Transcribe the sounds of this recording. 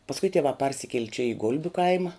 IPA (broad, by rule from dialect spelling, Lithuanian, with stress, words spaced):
pɐsˈkʊɪ tʲiɛˈʋɑː ˈpɐrʲsʲɪkʲiɛlʲɪ t͡ʃʲɛ ɪ ˈɡʊlʲbʲʊ ˈkɐɪmɐ